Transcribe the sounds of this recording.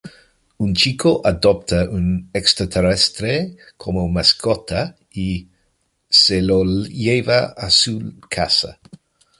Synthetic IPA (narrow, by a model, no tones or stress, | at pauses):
unt͡ʃikʰoʔad̪ɔp̚t̪ʰaʔunɛkst̪ɾat̪ʰɛɾɛst̪ɾe | kʰomomaskʰɔt̪ʰa | i | selojevaːsukʰasa̰